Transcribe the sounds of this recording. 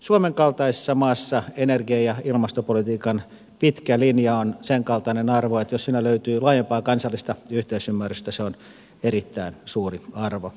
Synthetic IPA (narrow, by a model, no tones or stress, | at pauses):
suomeŋkɑlt̪ɑise̥sːɑmɑːsːɑenerɡiɑjɑilmɑst̪opolit̪iːkɑn | pit̪kælinjɑonseŋkɑlt̪ɑnenɑrʋoet̪jossiːnæløyt̪yːlɑːjempɑːkɑnsɑlːist̪ɑyht̪eysymːæryst̪æseon | eɾit̪ːæinsuːriɑrʋo